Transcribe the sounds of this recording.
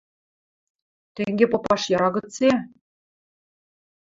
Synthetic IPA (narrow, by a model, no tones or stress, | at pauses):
t̪eŋɡʲepŏpɑʃjɑɾɑɡɤ̆t͡se